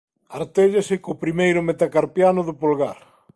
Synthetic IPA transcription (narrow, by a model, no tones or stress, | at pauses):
aɾt̪eʎasɪkopɾimejɾʊmet̪akaɾpjanʊðʊpolɣaɾ